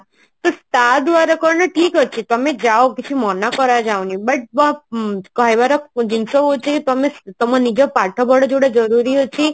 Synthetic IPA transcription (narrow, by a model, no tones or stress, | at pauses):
t̪ost̪ad̪ʋaɾakɔɾnaʈʰikɦɔt͡ʃʰit̪əmed͡ʒaokit͡ʃʰimɔnakɔɾad͡ʒaonibəʈ̚ʋãkaiʋaɾɔd͡ʒinsoɦot͡ʃʰeket̪ɔmet̪ɔmanid͡ʒopaʈʰobɔɽod͡ʒoɽed͡ʒɔɾuɾiɦɔt͡ʃʰi